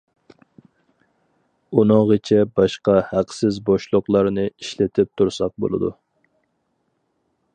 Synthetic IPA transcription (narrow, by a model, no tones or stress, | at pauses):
unɨŋʁit͡ʃʰɛbɑʃqɑhæqsɪzboʃlˠʊqlˠɑɾnɨiʃlɪt̪ʰɪp̚t̪ʰuɾsɑq̚bo̰lˠɨ̰d̪ṵ